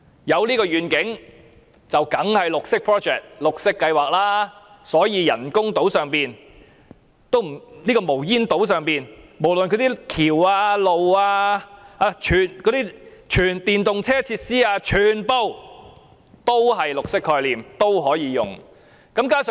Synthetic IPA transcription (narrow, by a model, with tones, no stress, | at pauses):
jɐ˨˧wliː˥kɔː˧ɥyː˨˧nkɪ˨˥ŋ | t͡sɐ˨wkɐ˨˥ŋhɐ˨jlʊ˨k̚sɪ˥k̚pʰɹɔː˥t͡ʃɛː˨k̚lʊ˨k̚sɪ˥kːɐ˧jwaː˨k̚laː˥ | sɔː˨˥jiː˨˧jɐ̰˨˩nkʊ˥ŋt̪o˨˥wsœː˨ŋpiː˨n | t̪o˥wm̩˨˩niː˥kɔː˧mo˨˩wjiː˥nt̪o˨˥wsœː˨ŋpiː˨nmo˨˩wlə˨nkʰt̪iː˥kʰiː˨˩waː˧lo˨waː˧aː˧t͡ʃʰyː˨˩nkɔː˨˥t̪iː˥t͡ʃʰyː˨˩nt̪iː˨nt̪ʊ˨ŋt͡sʰɛː˥t͡sʰiː˧t̚siː˥aː˧t͡ʃʰyː˨˩npo˧w | t̪o˥wɦɐ˨jlʊ˨k̚sɪ˥kʰːɔː˧liː˨mt̪o˥wɦɔː˨˥jiː˨˧jʊ̰˨˩ŋ | kɐ˨˥mkaː˥s